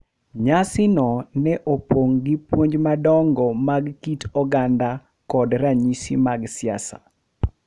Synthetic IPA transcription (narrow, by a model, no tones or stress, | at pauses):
ɲasɪnɔnɛʔopoŋɡipwoɲd͡ʒmadɔŋɡɔmaɡkitɔɡanda | kɔdraɲisḭmaɡsɪa̰sa̰